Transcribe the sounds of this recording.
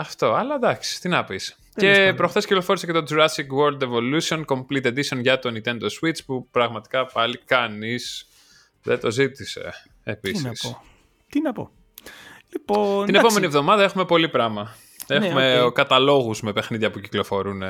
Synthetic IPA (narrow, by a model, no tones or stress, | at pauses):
ɐft̪o̞ɐlɐd̪ɐksi̥t̪inɐpis | ce̞pɾoxθesciklo̞fo̞ɾisecet̪o̞d͡zuɾɐsikwoɾld̪evo̞lusio̞nko̞mplit̪e̞d̪isionʝɐt̪o̞nit̪e̞nd̪oswit͡spupɾɐɣmɐt̪i̥kɐpɐlikɐnis | ðet̪o̞zit̪ise̞̰ | episis | t̪inɐpo̰ | lipot̪inepome̞nievðomɐðɐe̞xume̞po̞lipɾɐmɐ | e̞xumekɐt̪ɐlo̞ɣuzme̞pe̞xniðʝɐpuciklo̞fo̞ɾune̞